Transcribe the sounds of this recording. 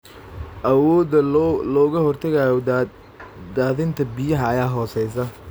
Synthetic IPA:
ʔɐwɔːd̪ɐlɔːɣɐhɔrt̪ʰɐɣaːjɔ | d̪aːðɪnt̪ʰɐbɪjɐɦɐːjaːɦɔːsɛjs̬ɐ

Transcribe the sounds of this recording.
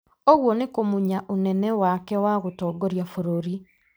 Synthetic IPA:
oɣwɔnekomuɲaʔonɛnɛwakɛwaɣotɔːɡoɾjafoɾoɾi

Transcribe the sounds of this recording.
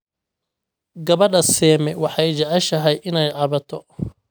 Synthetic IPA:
ɡɐβɐdɐsɛːmɛwɑħɑjt͡ʃɐʕɑʃɐɦɛjʔɪnɛjʕɑβɐt̪ʰɔ

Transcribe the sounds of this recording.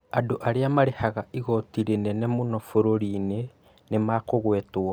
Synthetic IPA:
adoʔaɾeamaɾehaɣaiɣɔtiɾenɛnɛmonɔfoɾoɾiːne | nemakoɣwɛtwa

